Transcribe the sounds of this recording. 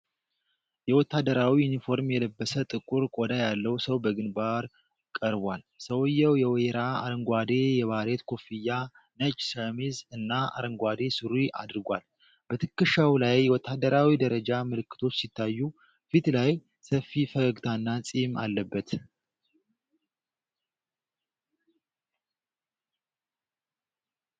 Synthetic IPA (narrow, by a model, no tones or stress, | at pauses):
jɛwɔt̪ːad̪əɾawijunifo̞ɾmjɛləbːəsət̪ʼɨkʼːuɾkʼod̪ajalːəwsəwbəɡɨnbaɾ | kʼəɾbʷal | səwjːɛwjɛwɾaa̰ɾəŋɡʷad̪e̞jɛβaɾet̪kʰo̞fijːa | nət͡ʃʼːsəmizɨnːaa̰ɾəŋɡʷad̪e̞sɨɾiʔa̰d̪ɨɾɨɡʷal | b̥ət̪ʰɨkːɨʃawlajwɔt̪ʰːad̪ːəɾawid̪əɾəd͡ʒamɨlɨkːɨ̥t̪ʰo̞t͡ʃːsit̪ʰːajːu | fit̪laj | səfːifəɡəɡt̪ʰaɨnːasʼima̰lːəbːət̪